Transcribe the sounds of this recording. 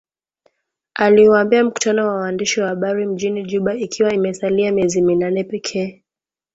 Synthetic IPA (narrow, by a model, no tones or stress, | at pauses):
aliuambiam̩ku̥tanɔwawaandiʃiwahaɓaɾim̩ʄiniʄuɓaikʰiwaimɛsaliamijɛziminanɛpɛkʰɛː